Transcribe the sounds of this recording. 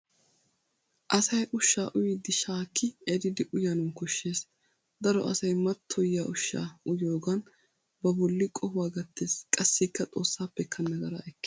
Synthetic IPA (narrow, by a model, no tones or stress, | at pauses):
ʔɐsɐjʔʊʃːaːʔʊjɪd̪ɪʃaːkʰːɪɛd̪ɪd̪ɪʔʊjɐnʊmkɔʃːe̞ːs | d̪ɐɾɔ̰ʔɐsɐjmɐt̪ʰːɔjːaːʔʊʃːa̰ːʊjo̞ːɡɐn | bɐbɔlːɪkʼɔhwaːɡɐt̪ːe̞ːskʼɐsːɪkːɐt̪ʼo̞̰ːsːaːpːɛkʰːɐnːɐɡɐɾɐ̰ʔɛkː